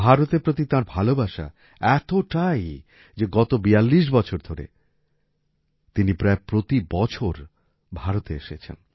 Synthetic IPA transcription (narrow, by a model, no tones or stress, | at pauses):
bʱaɾot̪epɾot̪it̪aɾbʱalobaʃa̰ | ɛt̪oʈaj | d͡ʑeɡɔt̪obijalːiʃ̬bɔt͡ɕʰoɾd̪ʱoɾḛ | t̪inipɾaepɾot̪ibɔt͡ɕʰoɾ | bʱaɾot̪eeʃet͡ɕʰḛn